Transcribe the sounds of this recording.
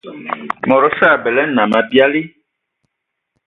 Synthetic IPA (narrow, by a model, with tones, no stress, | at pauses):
mɔ̃˨ɾɔ˨sa˦˨bɛ˨lɛ˦nã˨mã˨bi˦a˦li˦